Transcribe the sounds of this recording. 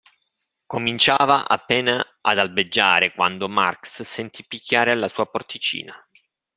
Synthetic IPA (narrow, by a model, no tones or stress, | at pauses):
komint͡ʃaːvaʔa̰pːɛːna | a̰d̪albed͡ʒːa̰ːɾekwand̪oma̰rksːent̪ʰipːikʰʲːaːɾealːasuːaport̪it͡ʃḭːna